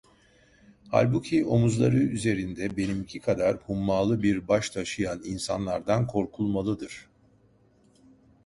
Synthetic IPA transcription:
ha̰lʲbucʰio̞muzlˠaɾɯyze̞ɾind̪ɛbe̞nimicʰikʰad̪aɾhumːaːlˠɯbiɾbaʃt̪ʰaʃɯjaninsanlˠaɾd̪ankʰo̞ɾkʰulˠmalˠɯd̪ɯɾ̥

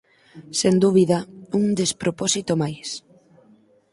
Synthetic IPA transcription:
send̪uβiðɐuŋd̪espɾopɔsit̪omajs

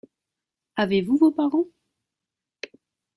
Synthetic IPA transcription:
avevuvopaʁɑ̃

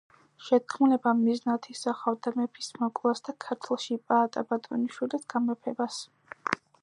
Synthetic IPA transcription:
ʃɛt̪̚kʰmulɛbamiznat̪ʰisaχavd̪amɛpʰi̥smɔkʼlˠasd̪akʰaɾt̪ʰlˠʃipʼaːt̪ʼabat̪ʼɔniʃwilisɡ̥amɛpʰɛbas

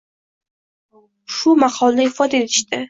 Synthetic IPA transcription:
ʃʊmaqʰɒlˠd̪aɪfɒd̪aet̪ʰɪ̥ʃt̪ɪ

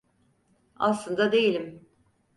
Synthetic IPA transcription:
a̰slˠɯnd̪ad̪e̞jilʲim

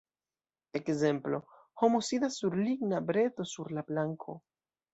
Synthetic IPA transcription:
e̞kze̞mplo̞ | ho̞mosidasːuɾliɡnabɾe̞to̞suɾlablaŋkʰo̞̰

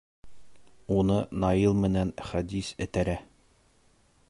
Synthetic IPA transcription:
unɤnɑjilˠmɘ̆nænχæd̪isɘ̆t̪æɾæ

